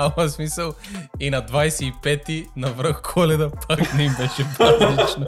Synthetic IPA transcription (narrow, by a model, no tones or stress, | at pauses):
amɐsmisɐlˠinɐd̪vajsɛipɛt̪inavɾəxkʰolɛd̪ɐpʰaknɛimbɛʃɛpɾak̪it͡ʃno